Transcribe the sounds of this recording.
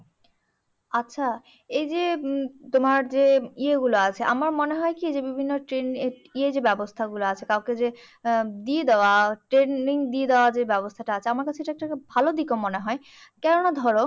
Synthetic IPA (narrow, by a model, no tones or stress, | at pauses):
atːɕʰa | ejd͡ʑet̪omaɾd͡ʑeieɡuloat͡ɕʰeʔa̰maɾmoneɦɔekied͡ʑebibʱinːoʈɾenied͡ʑebɛbost̪ʰaɡuloat͡ɕʰekawked͡ʑe | d̪ied̪eoaʈɾenːiŋd̪ied̪eoad͡ʑebɛbost̪ʰaʈaat͡ɕʰeamaɾkat͡ɕʰeeʈaɛkʈabʱalod̪ikomoneɦɔe | kɛɾonad̪ʱɔɾo